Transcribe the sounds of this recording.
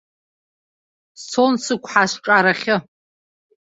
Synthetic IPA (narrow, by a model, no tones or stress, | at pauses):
ssʰonsɨkʷʰħaʃʷʈ͡ʂʼaɾaχʲɪ